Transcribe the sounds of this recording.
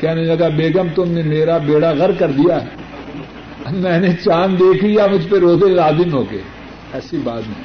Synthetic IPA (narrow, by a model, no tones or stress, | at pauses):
kjaːnɐilɐɡabeːɡəmt̪ʊmnemeːɾabeːɽaɣɐɾkɐɾd̪ijaɦɛ | ɐmɛ̃ːnet͡ʃaːnd̪eːkʰlijamʊd͡ʒʱpeɾoːzelaːzɪmɦoːɡḛː | ɛːsibaːt̪nẽ